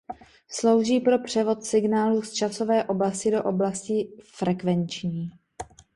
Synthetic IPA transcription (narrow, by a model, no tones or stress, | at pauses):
slo̞wʒiːpɾo̞pr̝̥ɛvo̞t̪sɪɡnaːlust͡ʃaso̞vɛːʔo̞blascɪdo̞ʔo̞blascɪfɾɛkvɛnt͡ʃɲiː